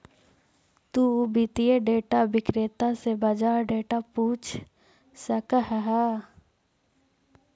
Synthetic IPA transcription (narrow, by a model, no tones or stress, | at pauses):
t̪uʊbɪt̪ieɖeːʈabɪkɾeːt̪asebɐd͡ʒaːɾɖeːʈapuːt͡ʃʰ | sɐkəɦəɦa